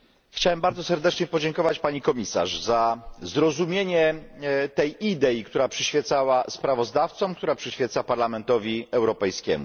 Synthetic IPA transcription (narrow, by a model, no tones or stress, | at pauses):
xt͡ɕawɛmbaɾd̪zɔsɛɾd̪ɛt͡ʂɲɛpɔd͡ʑɛŋkɔvat͡ɕpaɲikɔmʲisa̰ʐzazɾɔzumʲjeɲɛt̪ɛjid̪ɛjikt̪uɾapʂɘɕfʲjɛt̪sawaspɾavɔzd̪aft̪sɔmkt̪uɾapʂɘɕfʲjɛt̪sapaɾlamɛnt̪ɔvʲiɛwɾɔpɛjskʲɛ̰mṵ